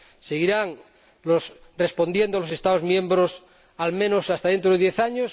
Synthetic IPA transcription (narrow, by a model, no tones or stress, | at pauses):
seɣiɾaŋ | losrespond̪jend̪oalosest̪aðozmjẽ̞mbɾos | almẽnosast̪aðe̞nt̪ɾoðeðjeθaɲos